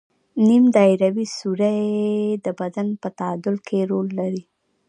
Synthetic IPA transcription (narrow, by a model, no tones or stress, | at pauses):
nimd̪ɑjɾawisuɾad̪əbad̪anpət̪ad̪ʊlkʰeɾolːaɾi